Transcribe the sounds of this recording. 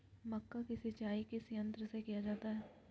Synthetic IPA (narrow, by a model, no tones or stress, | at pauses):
məkːakɪsɪt͡ʃaːikɪsiə̃nt̪ɾəsekɪjad͡ʒaːt̪aɦɛː